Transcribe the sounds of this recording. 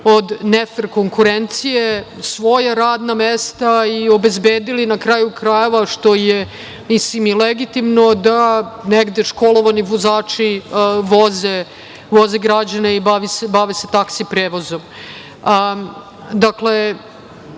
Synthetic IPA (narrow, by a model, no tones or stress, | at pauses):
od̪nefrko̞ŋkuɾent̪sijesʋo̞jaɾaːd̪namest̪aio̞be̞zbeːd̪ilinakɾaːjukɾaje̞ʋaʃt̪o̞je | mislimileɡit̪imno̞d̪aneɡd̪eʃko̞lˠo̞ʋaniʋozaːt͡ʂiʋoze | ʋo̞zeɡɾad͡ʑanaibaʋisebaʋese̞t̪aksipɾeːʋozo̞m | d̪akle